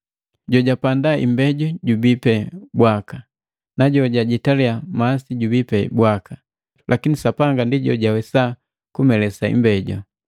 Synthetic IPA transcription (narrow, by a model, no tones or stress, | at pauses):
ɟɔɟapandaʔḭmbɛɟɔɟubipɛbwaka | naɟɔɟaɟitaliamasiɟubipɛbwaka | lʔakinisapaŋɡandiɟɔɟawɛsa | kumɛlɛsaḭmbɛɟɔ